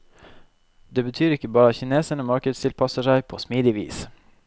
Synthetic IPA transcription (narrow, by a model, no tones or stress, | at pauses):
d̪eːbət̪ʰyːɾɪkːəbɑːɾɑçɪneːsəɳəmɑɾkəd̪st̪ʰɪlpʰɑsəʂæɪpʰoːsmiːd̪ɪʋḭːs